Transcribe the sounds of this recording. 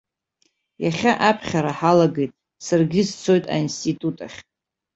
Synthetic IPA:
jaχʲaʔapʰχʲaɾaħalaɡejtʼ | sarɡʲɪzt͡sʰo̞jtʼa̰instʰʼitʼutʼaχʲʼ

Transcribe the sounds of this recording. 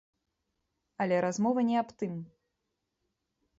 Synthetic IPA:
ɐlʲɛɾazmɔvɐnʲɛapt̪ɨm

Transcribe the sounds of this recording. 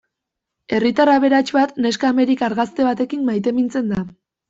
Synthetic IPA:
e̞rit̪araβe̞ɾat͡ʃbat̪ne̞skaːme̞ɾikaɾɣast̪e̞βat̪ekimmajt̪e̞mint͡se̞nd̪a

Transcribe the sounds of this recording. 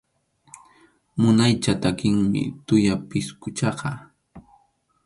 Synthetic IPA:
mʊnajt͡ʃat̪akɪŋmɪ̰t̪ʊjapɪskʊt͡ʃɑqɑ

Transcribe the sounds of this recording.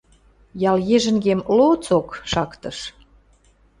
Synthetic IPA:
jɑljeʒə̆ŋɡemlot͡sokʃɑkt̪ɤ̆ʃ

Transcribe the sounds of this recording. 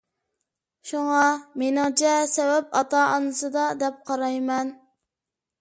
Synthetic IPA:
ʃuŋɑmenɪŋt͡ʃʰɛsɛwɛpɑt̪ɑʔɑnɨsɨd̪ɑd̪ɛp̚qʰɑɾɑjmɛn

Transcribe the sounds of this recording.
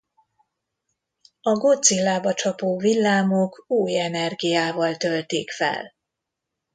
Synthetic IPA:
ɒɡo̞t̪silːaːbɒt͡ʃɒpoːvilːaːmokuːjɛnɛrɡijaːvɒlt̪ølt̪eːkfɛ̰l

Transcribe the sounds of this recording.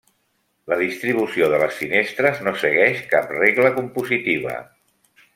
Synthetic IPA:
ləðist̪ɾiβ̞usioðələsfinest̪ɾəznosəɣɛʃkap̚reɣləkumpuzit̪iβ̞ə̰

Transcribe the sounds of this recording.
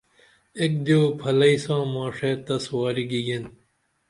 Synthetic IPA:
ek̚d̪joːpʰɐlɐisãːmãːʂeːt̪ɐswaːɾiɡiɡen

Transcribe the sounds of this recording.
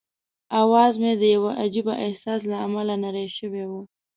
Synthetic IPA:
awɑzmed̪əjawaʔad͡ʒibaʔɪhsɑs̬laːmalanaɾajʃəwewu

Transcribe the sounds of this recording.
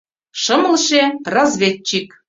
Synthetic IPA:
ʃɤ̆mɤ̆lˠʃerɑzvʲett͡ɕːik

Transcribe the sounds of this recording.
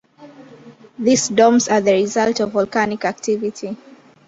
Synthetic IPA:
ðisdɔ̃mzaðəɹizaltɔvɔlˠkanikak̚tʰivitʰi

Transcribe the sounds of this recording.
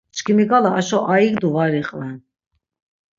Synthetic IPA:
t͡ʃkʰimiɡalaːʃɔʔaiɡd̪uvaɾiχʼvɛn

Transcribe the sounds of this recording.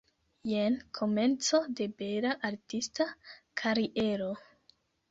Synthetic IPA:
jenkʰo̞me̞nt͡so̞de̞be̞ɾaʔaɾtistakʰaɾiʔe̞ɾo̞

